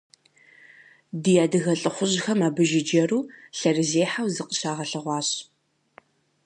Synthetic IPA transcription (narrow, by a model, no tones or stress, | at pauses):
dijaːdɨɣɐɬʼɨχʷʊʑxɐmaːbɨʒɪd͡ʒɐɾuːɬɐrɨzeːħawzɨqə̥ɕaːʁɐɬɨʁʷɑːɕ